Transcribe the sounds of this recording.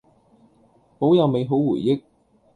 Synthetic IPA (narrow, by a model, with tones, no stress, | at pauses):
po˨˥wjɐ˨wme˨˧jɦo˨˥wwuː˨˩jːɪ˥k̚